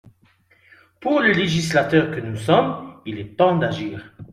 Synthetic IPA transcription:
puʁləleʒislat̪œʁkənusɔmilɛt̪ɑ̃d̪aʒiːʁ

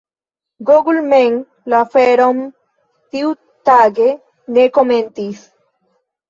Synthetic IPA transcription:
ɡoɡulmeŋ | lafeɾom | t̪iw | t̪aɡe | nekoment̪is

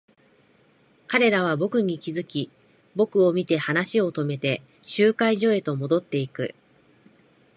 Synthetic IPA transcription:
kaɾe̞ɾaβ̞abo̞kɯ̟ɲ̟ikʲizɨkʲi | bo̞kɯ̟o̞mʲit̪e̞hanaɕio̞t̪o̞me̞t̪e̞ | ɕɨːkaiʑo̞e̞t̪o̞mo̞d̪o̞t̪ːe̞ikɯ̟̰

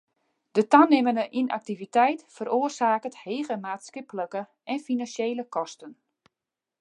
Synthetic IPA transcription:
d̥ətanɪmənəʔina̰k̚tivitɛjtfəroərsaːkətheːɣəmaːtskɪpləkə | ʔɛnfinanseːləkɔstən

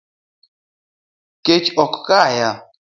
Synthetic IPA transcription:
ket͡ʃɔkkaja

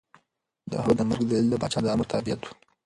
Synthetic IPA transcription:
d̪ə̰ɦawd̪əmaɾɡd̪əlɪld̪əbɑ̰t͡ʃɑd̪əɑməɾt̪ʰabijat̪wu̥

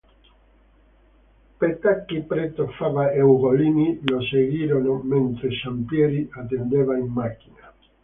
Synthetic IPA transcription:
pet̪akːipɾet̪ofavaewɣoliːniloseɣiːɾonoment̪ɾesampjɛːɾiat̪̬ːend̪eːvaimːakːina

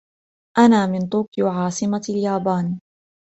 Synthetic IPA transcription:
ʔanaːmɪnt̪ˤuːkʕɑːsˤɨmaljaːbaːn

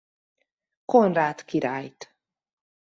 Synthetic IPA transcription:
konraːt̪kiɾaːjt̪

